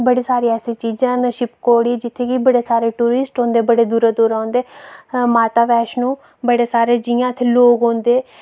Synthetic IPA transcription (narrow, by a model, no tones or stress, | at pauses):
bəɽiːsaːɾiːɛːseːt͡ʃiːd͡ʒãːnʃɪpkoːɽiːd͡ʒɪt̪ʰːeːkibəɽeːsaːɾeːʈuːɾɪsʈɦõːnd̪eːbəɽeːd̪uːɾeːd̪oːɾaːnd̪eːmaːt̪aːʋɛːʃnũː | bəɽeːsaːɾeːd͡ʒijãːt̪ʰeːloːɡɦõːnd̪eː